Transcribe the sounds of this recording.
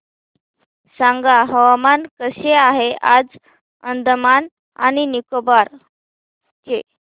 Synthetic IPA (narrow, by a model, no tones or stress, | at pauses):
sãŋɡaɦəʋamankəɕeaɦead͡z | ənd̪ʱəman | a̰ñinikobaɾ | ke